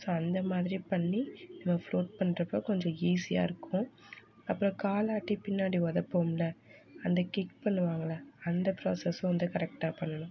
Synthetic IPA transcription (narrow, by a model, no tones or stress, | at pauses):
soːɐnd̪ɐmaːðɪɾipɐɳːinɐmːɐfloːʈ̚pɐɳːɾɐpːoːkɔɲd͡ʒɔ̃iːsɪja̰ːɪɾɯkːʊ̃ | ɐpːɯɾɔ̃kaːlaːʈːipɪnːaːɽiʋɐðɐpːoːmlɐɐnd̪ɐkɪkpɐɳːɯʋaːŋɡɐlaɐnd̪ɐpɾo̰ːsɛsʊ̃ʋɐnd̪ɯkɐɾɛk̚ʈaːpɐɳːɐnʊ̃